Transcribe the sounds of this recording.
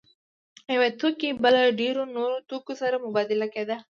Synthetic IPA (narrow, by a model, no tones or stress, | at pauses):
jawet̪okebəlaɖeɾonoɾot̪okosaɾamʊbɑd̪ɪlaked̪a